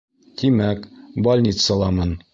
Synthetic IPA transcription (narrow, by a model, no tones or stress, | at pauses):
t̪imækbɒlʲnʲit̪sɑlˠɑmɤn